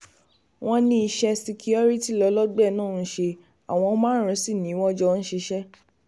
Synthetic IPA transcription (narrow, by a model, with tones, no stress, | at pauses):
w̃ɔ̃˦nĩ˦i˧ʃɛ˧si˧kʰi˦ɔ˦ɾi˦ti˦˨lɔ˨˧˦lɔ˦ɡ͡bɛ˦˨nãː˦˨n̩˦ʃe˧ | a̰˨w̃ɔ̃˧˦mãː˦ɾ̃ĩ˧˦si˦˨nĩ˨˦w̃ɔ̃˦d͡ʒɔ˧n̩˦ʃe˧ʃɛ˦